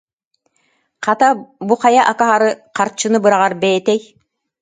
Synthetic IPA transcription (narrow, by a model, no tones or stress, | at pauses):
qat̪abuqajaʔakaɦaɾɯqaɾt͡ɕːɯnɯbɯɾaʁaɾbɛjɛt̪ɛj